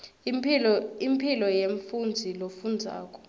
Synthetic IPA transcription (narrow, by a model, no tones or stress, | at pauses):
impʰilɔjeɱfund͡zʱilofund͡zʱa̰ːkʼɔ̥